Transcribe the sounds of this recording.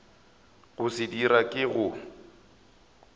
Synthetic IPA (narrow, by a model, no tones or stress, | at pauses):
ɣʊsɪdiɾakʼɪɣʊ